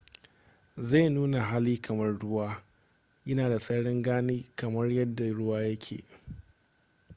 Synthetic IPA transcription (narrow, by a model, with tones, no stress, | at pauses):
za˦˨nuː˦na˨ɦa˦liː˦kɐ˨mɐ˦rɽʊ˦waː˦ | ʔɐ˦naː˨da˨sʼɐ˦ɽɪ˦ŋɡaː˦niː˦kɐ˨mɐ˦rjɐ˦dːa˨ɽʊ˦waː˦jɐ˦kʲʰḛː˨